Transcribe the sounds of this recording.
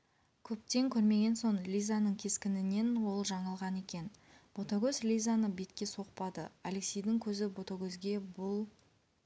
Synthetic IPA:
kʲʰɵp̚t̪e̞ŋkʲʰɵɾme̞ɡʲe̞nso̞ɴlʲijzanəɴkʲʰe̞skʲɪnɪne̞nwo̞lˠʒɑɴɑlˠʁɑne̞kʲe̞n | b̥ot̪aɡʲɵzlʲijzanəbe̞t̪kʲe̞so̞q̚pɑd̪əale̞ksʲejd̪ɪŋkʲʰɵzɪbo̞t̪aɡʲɵzɡʲe̞bʊlˠ

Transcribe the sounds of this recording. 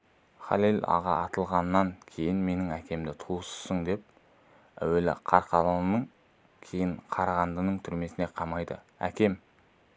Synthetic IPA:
χɑ̰lilɑ̰ʁɑ̰ʔɑt̪əlˠʁɑnːɑŋkʲʰe̞jɪnme̞nɪŋækʲe̞md̪ɪt̪ʰuəsə̥səɴd̪e̞p̚ | æ̰welɪ̰qʰɑɾqɑlˠɑənəɴ | kʲʰe̞jɪɴqʰɑɾɑʁɑnd̪ənəɴt̪ʰʏɾme̞sɪne̞qʰɑmɑjd̪ə̰ | æ̰kʲe̞m

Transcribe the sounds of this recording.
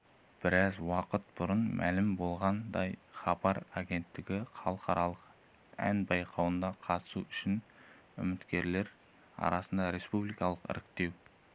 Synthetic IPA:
b̥ɪɾɑzwɑqət̪̚b̥ʊɾənmʔælɪmbo̞lˠʁɑnd̪ɑjχɑbɑɾaɡʲe̞nt̪ːɪɡʲɪχɑlˠəqɑɾɑlˠəq | æ̰nbɑjqʰɑwənd̪ɑqʰɑt̪ə̥suʏʃɪn | ʏ̰mɪt̪kʲe̞ɾle̞ɾ | ɑ̰ɾɑsənd̪ɑɾe̞spublˠijkɑlˠəqɪ̰ɾɪk̚t̪e̞w

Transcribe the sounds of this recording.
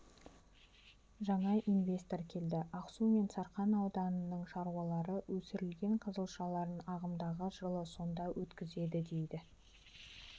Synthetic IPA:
ʒɑɴɑʔinvʲe̞st̪o̞ɾkʲʰe̞ld̪ɪɑqsume̞nsɑɾqɑnɑwd̪ɑnənːəɴʃɑɾuwɑlˠɑɾəwɵsɪɾɪlɡʲe̞ɴqʰəzəlˠʃɑlˠɑɾənɑʁəmd̪ɑʁəʒəlˠəso̞nd̪ɑwʔɵt̪kʲɪze̞d̪ɪd̪e̞jd̪ɪ

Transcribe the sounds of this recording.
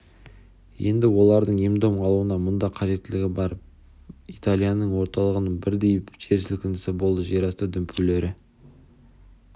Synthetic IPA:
je̞nd̪ɪwo̞lˠɑɾd̪əɴemd̪o̞mqʰɑlˠuənɑmʊnd̪ɑqʰɑʒe̞t̪ːɪlɪɡʲɪbɑɾəp | it̪alʲˠijanəɴwo̞ɾt̪ɑlˠəʁənəɴbɪɾd̪e̞jɪpʒe̞ɾʃɪlkʲɪnɪsɪbo̞lˠd̪əʒeɾɑst̪əd̪ʏmpʲyle̞ɾɪ

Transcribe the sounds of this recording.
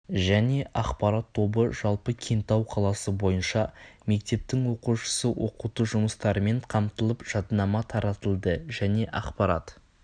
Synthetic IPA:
ʒæne̞ʔɑqpɑɾɑt̪ʰːo̞bəʒɑlˠpəkʲʰent̪ɑwqʰɑlˠɑsəbo̞jənʃɑme̞k̚t̪e̞p̚t̪ɪŋwo̞quʃə̥səwʔo̞̰qut̪əʒʊməst̪ɑɾəme̞ɴqʰɑmt̪əlˠəpʒ̥ɑd̪nɑmɑt̪ʰɑɾɑt̪əlˠd̪əʒæne̞ʔɑqpɑɾɑ̰t̪

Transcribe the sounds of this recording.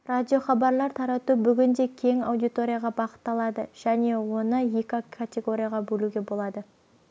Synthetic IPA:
rad̪ʲijo̞χɑbɑɾlˠɑɾt̪ʰɑɾɑt̪ubʏɡʲɪnd̪e̞kʲʰe̞ŋɑ̰wd̪ijt̪o̞ɾʲijaʁɑbɑqə̥t̪ːɑlˠɑd̪ə̰ʒ̥æne̞wo̞nəjekʲakʰat̪ʲe̞ɡo̞ɾʲijaʁɑbɵluɡʲe̞bo̞lˠɑd̪ə

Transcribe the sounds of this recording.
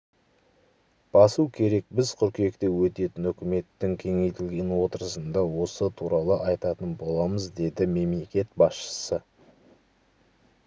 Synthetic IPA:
b̥ɑsukʲʰe̞ɾe̞k̚bɪzqʰʏɾkʲe̞kt̪e̞wɵt̪e̞t̪ɪnʏkʲɪme̞t̪ːɪŋkʲʰe̞ŋe̞jt̪ɪlɡʲe̞nwo̞t̪əɾəsənd̪ɑwo̞sət̪ʰuɾɑlˠəʔɑjt̪ɑt̪ənbo̞lˠɑməzd̪e̞d̪ɪme̞mle̞kʲe̞t̪bɑsʃə̥sə

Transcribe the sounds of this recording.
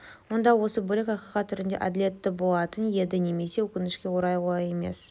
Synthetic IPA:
wo̞nd̪ɑwo̞səbɵlɪkɑqiqɑt̪ʰːʏɾɪnd̪e̞̰ʔad̪ɪlʲe̞t̪ːɪbo̞lˠɑt̪ənje̞d̪ɪne̞me̞se̞wɵkʲɪnɪʃkʲe̞woɾɑjʁolˠɑje̞me̞̰s

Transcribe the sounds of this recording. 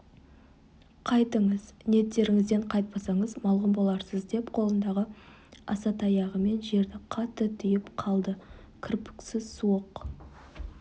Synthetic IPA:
qʰɑjt̪əɴəzneet̪ːe̞ɾɪŋɪzd̪e̞ɴqʰɑjt̪̚pɑsɑɴəzmɑlˠʁəmbo̞lˠɑɾsəzd̪e̞pqʰo̞lˠənd̪ɑʁə | ɑ̰sɑt̪ɑjɑʁəme̞nʒe̞ɾd̪ɪqʰɑt̪ːət̪ʰʏjɪpqʰɑlˠd̪ə | kʲʰɪɾpɪ̥ksɪzsuoq

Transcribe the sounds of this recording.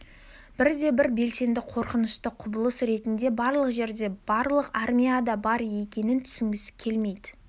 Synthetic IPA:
b̥ɪɾd̪e̞bɪɾbe̞lse̞nd̪ɪqʰo̞ɾqənəʃt̪əqʰʊbəlˠəsɾe̞t̪ɪnd̪e̞bɑɾlˠəqʒe̞ɾd̪e̞b̥ɑɾlˠəqarmʲijad̪ɑbɑɾje̞kʲe̞nɪnt̪ʰʏ̥sɪŋɡʲɪskʲʰe̞lme̞jd̪ɪ

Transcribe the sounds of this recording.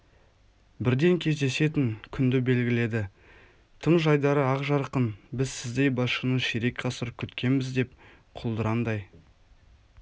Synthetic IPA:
bɪɾd̪e̞ŋkʲʰe̞zd̪e̞se̞t̪ɪŋkʲʰʏnd̪ɪbe̞lɡʲɪle̞d̪ɪ | t̪ʰəɴʒɑjd̪ɑɾəɑqʒɑɾqənbɪzsɪzd̪e̞jbɑʃənəʃeɾekqʰɑsəɾəp̚kʲʰʏt̪kʲʰe̞nmɪzd̪e̞p | qʰʊlˠd̪əɾɑnd̪ɑj

